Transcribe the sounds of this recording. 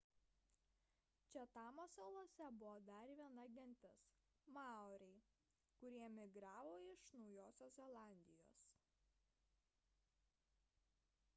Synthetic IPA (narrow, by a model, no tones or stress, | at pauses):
t͡ʃʲɛt̪ɑːmosɐlˠoːsʲɛbʊʋoːd̪ɐɾʋʲiɛnɐɡʲɛnʲˑt̪ʲɪs | mɑːɔɾʲɛɪ | kʊɾʲiɛmʲɪɡɾɑːʋoːɪʃnɒʊjoːsʲoːszʲɛlˠɑˑnʲd̪ʲɪjo̰ːs